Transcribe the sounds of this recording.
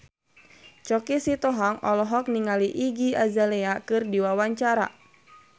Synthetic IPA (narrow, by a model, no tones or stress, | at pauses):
t͡ʃɔkisit̪ɔɦaŋɔlɔɦɔk̚niŋaliʔiɡiazalɛakɨrdiwawaɲt͡ʃaɾa̰